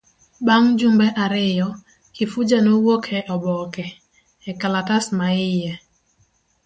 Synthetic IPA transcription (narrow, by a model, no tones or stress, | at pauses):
baŋd͡ʒumbɛʔaɾɪjɔ | kɪfʊd͡ʒanowokʰɛʔɔbɔkɛː | kalatasmaɪjɛ